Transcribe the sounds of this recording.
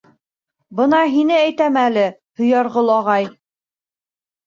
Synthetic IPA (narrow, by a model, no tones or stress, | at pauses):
bɤnɑɦinɘæjt̪æmælɘhɵ̆jɑɾʁɤlˠɑʁɑj